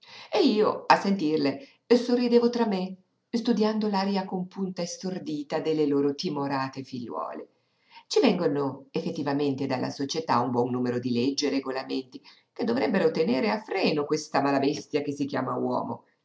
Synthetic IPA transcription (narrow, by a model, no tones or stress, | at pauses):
eiːoasːent̪irle | sorːid̪eːvot̪ɾamːe | st̪ud̪jand̪olaːɾjakompunt̪aest̪ord̪iːt̪ad̪elːeloːɾot̪imoɾaːt̪efiʎːwɔ̰ːlḛ | t͡ʃivɛŋɡonoefːet̪ːivament̪ed̪alːa̰sot͡ʃet̪aumbwɔnːuːmeɾod̪iled͡ʒːeɾeɡolament̪i | k̟ed̪ːovɾɛbːeɾot̪eneːɾeafɾɛːnokwest̪amalabɛst̪jakesːik̟ja̰ːmawɔ̰ːmo̰